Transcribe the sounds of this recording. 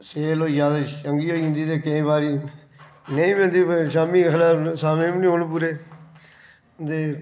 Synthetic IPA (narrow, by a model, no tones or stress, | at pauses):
seːloːjaːd̪aəŋɡiːoːiĩnd̪iːt̪eːkeĩːbaːɾiː | neĩːmɪnd̪iːʃaːmĩːxəlaːpsaːmẽːmnĩːɦoːnːpuːɾeː | t̪eː